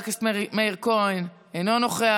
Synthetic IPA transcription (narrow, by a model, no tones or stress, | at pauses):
kasmeiʁkojn | ejnonoχea